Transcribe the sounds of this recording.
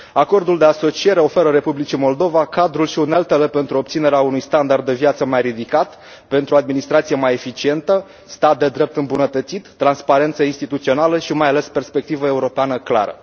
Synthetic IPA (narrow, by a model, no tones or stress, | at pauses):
ako̞rd̪uld̪e̞aso̞t͡ʃie̞ɾe̞o̞fe̞ɾəɾe̞publit͡ʃimo̞ld̪o̞vakad̪ɾulʃiunelt̪elepe̞nt̪ɾuo̞p̚t̪sine̞ɾeaunujst̪and̪ard̪ːe̞viat̪səmajrid̪ikat̪ | pe̞nt̪ɾuoad̪minist̪ɾat̪sije̞maje̞fit͡ʃie̞nt̪ə | st̪at̪̚d̪e̞d̪ɾe̞p̚t̪ɨmbunət̪ət̪sit̪ːɾanspaɾe̞nt̪səinst̪it̪ut̪sio̞naləʃimajale̞spe̞rspe̞k̚t̪ivəe̞uɾo̞peanəkla̰ɾə̰